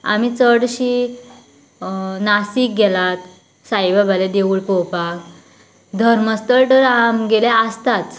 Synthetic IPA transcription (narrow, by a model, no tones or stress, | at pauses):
a̰mit͡səɽɕi | nasiːk̚ɡɛlat̪ | sajʋabʱaled̪euɭpowpak | d̪ʱəɾməst̪əɭʈ̪əɾamɡelɛəst̪at͡s